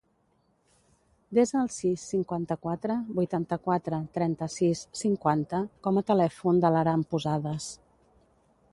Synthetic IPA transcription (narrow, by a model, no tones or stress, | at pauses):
d̪ezəːlˠsisːiŋkwant̪əkwat̪ɾəbujt̪ant̪əkwat̪ɾət̪ɾɛnt̪əsissiŋkwant̪əkɔmət̪əlɛfund̪ələɾampuzaðəs